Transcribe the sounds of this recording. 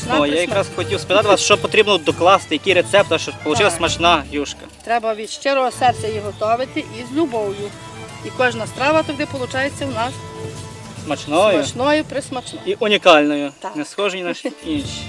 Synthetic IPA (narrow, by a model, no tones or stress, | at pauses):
ɔjajɐkɾɑsxɔtʲiwspɪt̪ɑt̪ɪʋɑsʃt͡ʃɔpɔt̪ɾʲibnɔd̪ɔklˠɑst̪ɪjɐkʲiɾet̪sɛp̚t̪ɐʃt͡ʃɔpɔlˠʊt͡ʃɪlˠɐsmɐt͡ʃnɑɦjuʃkɐt̪ɾɛbɐʋʲid̪ʃt͡ʃɛɾɔɦɔsɛrt͡sʲɐjiɦɔt̪ɔʋɪt̪ɪʔizʲlʲubɔwjʊ | ikɔʒnɐst̪ɾɑʋɐt̪ɔɡd̪ɪpɔlˠʊt͡ʃɑjet͡sʲːɐwnɑs | smɐt͡ʃnɔjʊt͡ʃnɔjʊpɾɪsmɐt͡ʃnɔiʔʊnʲikɑlʲnɔjʊnɛsxɔʒɪjnɐʃinʃi